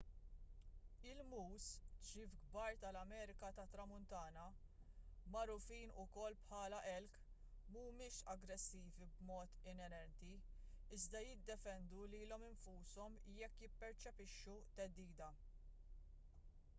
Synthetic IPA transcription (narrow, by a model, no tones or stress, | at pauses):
ɪlmuːst͡ʃiːfɡbɐːɾt̪ɐlɐmɛːɾɪkɐt̪ɐt̪ɾɐmʊnt̪ɐːnɐ | mɐɾʊfiːnʊkɔlːpħɐːlɐʔɛlk | muːmɪːʃɐɡɾɛsːiːvibmɔːt̪ɪnɛɾɛnt̪i | ɪzd̪ɐjɪd̪ːɛfɛnd̪uliːlɔmɪɱfuːsɔmjɛkːjɪpːɛɾt͡ʃɛpɪʃːut̪ɛd̪ːiːd̪ɐ